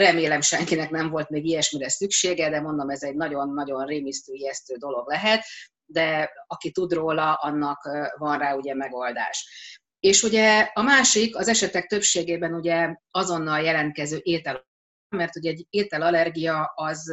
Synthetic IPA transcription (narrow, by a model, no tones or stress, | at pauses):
rɛmeːlɛmʃɛŋkinɛknɛɱvo̞lt̪meːɡijɛʃmiɾɛsykʃeːɡɛd̪ɛmo̞nd̪o̞mɛzɛɟnɒɟo̞nːɒɟo̞nreːmist̪øːiɛst̪øːd̪o̞lo̞ɡlɛɦɛt̪ | d̪ɛɒkit̪ud̪roːlɒʔɒnːɒkvɒnraːuɟɛmɛɡo̞ld̪a̰ːʃ | eːʃuɟɛɒmaːʃikɒzɛʃɛt̪ɛk̚t̪ø̞pʃeːɡeːbɛnuɟɛɒzo̞nːɒljɛlɛnt̪̚kɛzøːʔeːt̪ɛl | mɛrt̪uɟɛɛɟːeːt̪ɛlɒlɛrɡijɒɒz